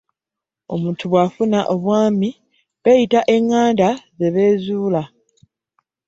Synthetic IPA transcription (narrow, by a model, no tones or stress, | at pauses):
o̞̰muːntʰuβwafunaʔo̞βwaːmi | βe̞ːjitaʔe̞ŋːaːndaze̞βe̞ːzuːla